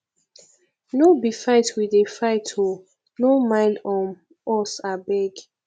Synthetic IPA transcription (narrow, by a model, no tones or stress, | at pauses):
nobifaɪtʰwidefaɪtʰo | nomãɪ̃nɔm | ɔsabɛɡ